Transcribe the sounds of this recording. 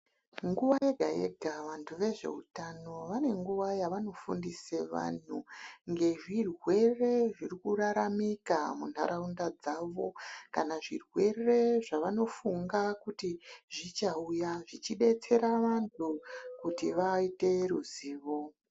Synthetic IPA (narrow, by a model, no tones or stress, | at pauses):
ŋɡuʋajeɡʱa̰jḛɡʱaʋantʰuʋe̞ʐe̞̰utano̞ʋane̞ŋɡuʋajaʋano̞fundiseʋa̰n̤uŋɡe̞ʐirwe̞re̞ʐirikuraɾamikamun̤a̰ɾaundad͡zaːʋo̞kanaʐirwe̞re̞ʐaʋano̞fuŋɡakutiʐit͡ʃaujaʐit͡ʃiɗe̞t͡se̞ɾaʋantʰukutiʋaite̞ɾuziːʋo